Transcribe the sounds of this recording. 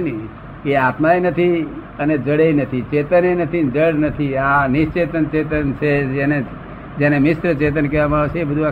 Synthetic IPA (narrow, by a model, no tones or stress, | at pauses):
nɛ | keat̪maenət̪ʰiəned͡ʒəɽeinət̪ʰit͡ʃet̪ənenət̪ʰid͡ʒəɽnət̪ʰianɪʃt͡ʃet̪ənt͡ʃet̪ənt͡ʃʰeene | d͡ʒenemɪsɾət͡ʃet̪̬ənkɛʋamaaʋet͡ʃʰeːbəd̪ʱua